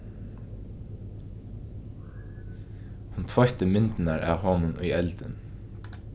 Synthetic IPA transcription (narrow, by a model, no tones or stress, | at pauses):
hʊnt̪ʰʋɑht̪əmɪnt̪n̩ɑɹʔɑ̰ːhɑːnənʔʉʏɛlt̪ən